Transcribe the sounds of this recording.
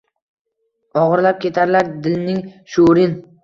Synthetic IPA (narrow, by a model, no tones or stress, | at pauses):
ɒʁɨɾlap̚kʲe̞t̪ʰaɾlaɾd̪ɪlnɪŋʃʊɾɪn